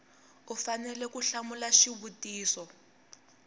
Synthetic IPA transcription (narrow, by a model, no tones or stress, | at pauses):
ufanɛlɛkuɬamulaʃiβutiːsɔ